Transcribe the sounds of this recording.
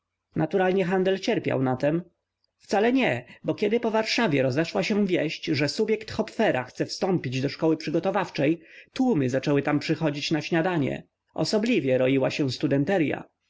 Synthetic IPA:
nat̪uɾalɲɛxand̪ɛlt͡ɕɛɾpʲja̰wnat̪ɛm | ft̪salɛɲɛbɔkʲjɛd̪ɘpɔvaɾʂavʲjɛɾɔzɛʂwaɕɛ̃vʲjɛɕt͡ɕʐɛsubʲjɛkt̪xɔpfɛɾaxt̪sɛfst̪ɔmpʲid͡ʑd̪ɔʂkɔwɘpʂɘɡɔt̪ɔvaft͡ʂɛjt̪wumɘzat͡ʂɛwɘt̪ampʂɘxɔd͡ʑit͡ɕnaɕɲad̪aɲɛ̰ | ɔ̰sɔblʲivʲjɛɾɔiwaɕɛ̃st̪ud̪ɛnt̪ɛɾja̰

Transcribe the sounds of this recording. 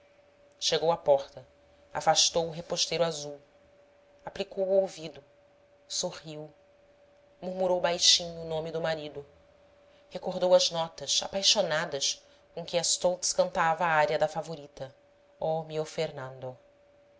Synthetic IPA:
ʃeɡowapɔχt̪ɐ | a̰faʃt̪owʊɦepoʃt̪ejɾʊazuw | aplikowuowvid̪ʊ | sohiw | muɾmuɾowbajʃĩɲʊːnõmɪd̪ʊmaɾid̪ʊ | hekoɦd̪owɐznɔt̪ɐsa̰pajʃonad̪ɐs | kõkɪast̪owt̪skɐ̃nt̪avɐːaɾjɐd̪ɐfavoɾit̪ɐ | ɔmiofeɾnɐ̃nd̪o

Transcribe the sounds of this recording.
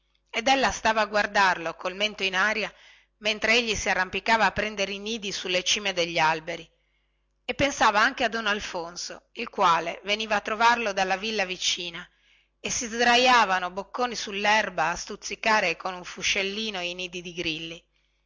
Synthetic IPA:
ed̪elːast̪aːvaːɡward̪arlokolment̪oinaːɾja | ment̪ɾeeʎːisiarːampikaːvaːpːɾɛnd̪eɾeiniːd̪isulːet͡ʃiːmed̪eʎːialbeɾi | epːensaːvaaŋkead̪onalfonsoilkwaːleveniːvaːt̪ːɾovarlod̪alːavilːavit͡ʃiːna | esizd̪ɾajaːvanobokːoːnisulːɛrbaːst̪ut̪sːikaːɾekonuɱfuʃːelːiːnoiniːd̪id̪iɡɾilːi

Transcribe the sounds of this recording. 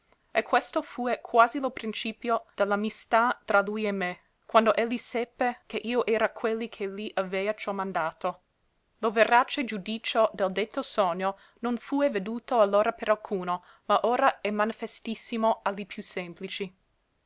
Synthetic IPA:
ekʰːwest̪ofuːekʰwaːzilopɾint͡ʃiːpjod̪̥elːamist̪at̪ɾalujemːe | kwand̪oʔelːisɛpːekeʔiːoʔɛːɾakʰwelːikʰeliʔavɛːat͡ʃɔmand̪aːt̪o | loveɾat͡ʃed͡ʒud̪iːt͡ʃod̪eld̪et̪ːosɔɲːo | nonfuːeved̪uːt̪oalːoːɾapeɾalkʰuːno | maʔoːɾaɛmanifest̪isːimoalːipʰjusemplit͡ʃi

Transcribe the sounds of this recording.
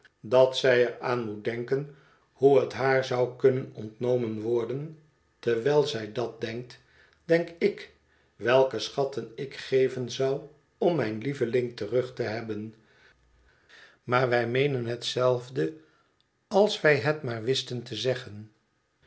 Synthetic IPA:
dɑtsɛjɛɹaːnmut̚dɛŋkən | huətɦaːɹzɑwkɵnənɔntnowmənʋɔɹdən | təɹʋɛːlˠzɛjdɑt̚dɛŋk̚t | d̥ɛŋkɪk | ʋɛlˠkəsχɑtənɪkχejvənzʌw | ɔmːɛjnlivəlɪŋtərɵχtəɦɛbən | maːɹʋɛjmejnənɦətsɛlˠvdə | ɑlˠsʋɛjɦətmaːɹʋɪstəntəzɛχən

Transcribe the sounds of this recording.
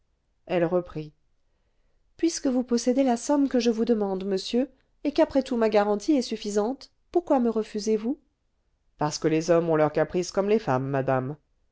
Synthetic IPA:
ɛlʁəpχi | pɥiskəvupɔsɛd̪elasɔmkəʒəvud̪əmɑ̃d̪məsjø | ekapχɛt̪umaɡaʁɑ̃t̪ʰiɛsyfizɑ̃t̪ | puʁkwaməʁəfyzevu | paʁsə̥kəlezɔmɔ̃lœʁkapχiskɔmlefamːad̪am

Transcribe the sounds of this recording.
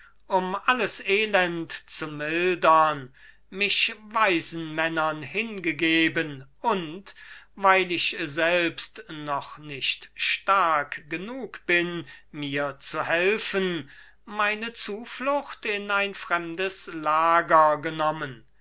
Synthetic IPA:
ʔʊmʔaləseːlɛntt͡sumɪldɐn | mɪʃvaɪzn̩mɛnɐnhɪnɡəɡeːbənʔʊntvaɪlɪʃzɛlpstnɔχnɪʃtʃtaɐkɡ̥ənuːkb̥ɪnmiːɐt͡suhɛlfən | maɪnət͡suːflʊxtɪnaɪnfʁ̥ɛmdəslaːɡɐɡənɔmən

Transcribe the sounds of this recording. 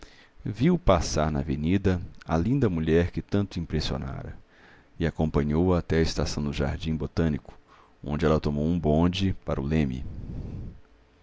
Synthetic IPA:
viwpasaɾnɐ̰venid̪ɐɐlĩnd̪ɐmuʎɛɾkɪt̪ɐ̃nt̪ʊĩpɾesio̰na̰ɾɐ̰ | ɪakõpɐ̃ɲowɐat̪ɛɐɪst̪asɐ̃w̃d̪ʊʒa̰ɾd͡ʒĩbot̪ɐ̃nikʊ̥ | õ̰nd͡ʒɪɛlɐt̪omowũbõd͡ʒɪpaɾʊlẽmɪ̰

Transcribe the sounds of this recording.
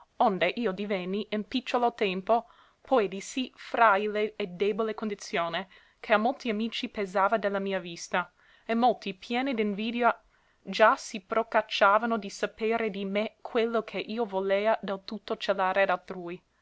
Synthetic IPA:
ond̪eʔiːod̪ivɛnːiinpit͡ʃːolot̪ɛmpo | pʰɔjd̪isifɾaileːd̪eːbolekond̪it̪sjoːne | kʰeamːolt̪iamiːt͡ʃipezaːvad̪elːamiːavist̪a | emːolt̪ipjɛːnid̪inviːd̪eo | d͡ʒasipɾokat͡ʃːaːvanod̪isapeːɾed̪imekʰwelːokʰeʔiːovoleːad̪elt̪ut̪ːot͡ʃelaːɾead̪alt̪ɾuːi

